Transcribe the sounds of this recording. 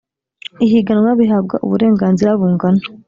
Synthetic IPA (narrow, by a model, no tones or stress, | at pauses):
iɦiɡanwaβiɦabɡa̰ʔṵβuɾeːŋɡaːnziɾaβuːŋɡano̥